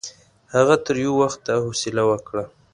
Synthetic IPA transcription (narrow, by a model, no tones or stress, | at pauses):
haɣat̪əɾjowaxt̪ːahosɪlawəkɽa